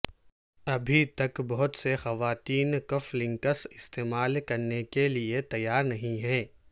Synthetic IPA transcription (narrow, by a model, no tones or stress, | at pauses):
ɐbʱit̪ɐkbɐɦʊt̪sexɐʋaːt̪iːnkɐflɪ̃ŋkəsɪst̪eːmaːlkɐɾnekeliet̪ɐjːaːɾnɐɦĩɦɛ̃ː